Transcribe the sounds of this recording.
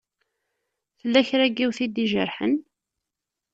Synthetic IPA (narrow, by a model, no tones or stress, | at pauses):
θəlːæçɾæɡːiwθid̪iʒə̰ɾħə̰n